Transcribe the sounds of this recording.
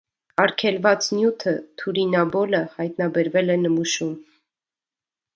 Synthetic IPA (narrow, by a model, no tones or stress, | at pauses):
ɑɾkʰɛlvɑt͡snjut̪ʰət̪ʰuɾinɑbɔləhɑjt̪nɑbɛɾvɛlɛnəmuʃum